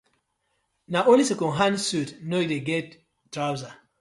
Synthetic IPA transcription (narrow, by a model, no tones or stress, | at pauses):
naʔõlisekɔ̃ɦãnsutnoideɡɛt̚ː | ɾawza